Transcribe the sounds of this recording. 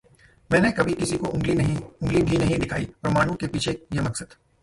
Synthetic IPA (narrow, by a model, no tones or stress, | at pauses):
mɛ̃ːnekɐbʱikɪsikoʔʊ̃ŋɡlinɐɦĩʊ̃ŋɡlibʱinɐɦĩd̪ɪkʰaːipɾɐmaːɽõkepiːt͡ʃʰejemɐksəd̪̥